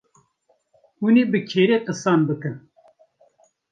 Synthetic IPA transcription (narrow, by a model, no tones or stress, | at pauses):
huneːbɨkʰeːɾeːqɨsɑːnbɨkɨn